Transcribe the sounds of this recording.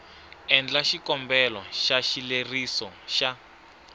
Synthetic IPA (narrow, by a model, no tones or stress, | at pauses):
ɛnd͡ɮaʃikɔmbɛlɔʃaʃilerisɔʃa